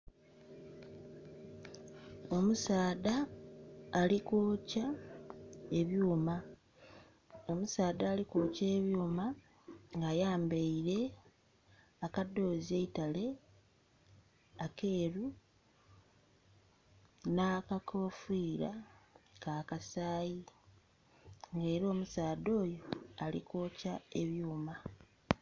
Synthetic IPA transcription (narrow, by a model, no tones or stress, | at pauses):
o̞musaːdaː | likoːca | e̞βjuːma | o̞musaːdaːlikoːce̞ːβjuːma | ŋɡajaːmbeiɾe̞ | akadːo̞ːzieitale̞ | ake̞ːɾu | nakakʰo̞ːfiːɾakaːkasaːji | ŋɡe̞ːɾo̞ːmusaːd̪o̞ːjo̞alḭkoːcae̞βjuːma